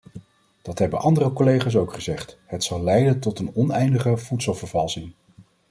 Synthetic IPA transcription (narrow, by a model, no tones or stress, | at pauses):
d̥ɑtɦɛbəʔɑndərəkolejχaːs̬owkχəzɛχtɦətsɑlˠlɛjdəntɔtənɔnɛjndəχəv̥utsəlˠvəɹvɑlˠsɪŋ